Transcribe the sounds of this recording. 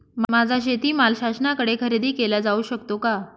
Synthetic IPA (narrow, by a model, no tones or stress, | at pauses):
mmad͡zʱaɕ̬et̪iːmalɕaɕnakəɽekʰəɾed̪iːkelad͡zauɕəkt̪oka